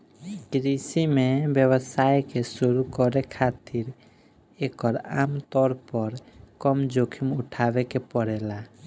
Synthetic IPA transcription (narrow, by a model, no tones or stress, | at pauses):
kɾisimebjəbəsajkesuɾukɔɾekʰat̪iɾ | ekɔɾamt̪ɔɾpɔɾkɔmd͡ʒokʰimʊʈʰabekepɔɽɛla